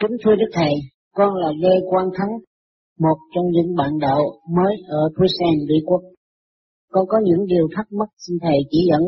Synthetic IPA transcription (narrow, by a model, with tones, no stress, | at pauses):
kï˨˦ŋ̟t̪ʰu˧ɗɨ˦˥k̚t̪ʰə˨˩j | kɔ˧nlaː˨˩ɣe˧jkwaː˧nt̪ʰa˨˦ŋ | mo˨˩t̚t͡ɕɔ˧wŋ͡mzɨ̰˧˥ŋɓa̰ː˧˨nɗə̰˧˨wməː˨˦jʔəː˧˩t̪ʰi˧sɛ˧nvḭ˧˨kwə˦˥k̚ | kɔ˧nkɔ˨˦ɲɨ̰˧˥ŋɗi˨˩əwt̪ʰa˦˥k̚mə˦˥t̚si˧nt̪ʰə˨˩jt͡ɕḭ˧˩zə̰˧˥˨n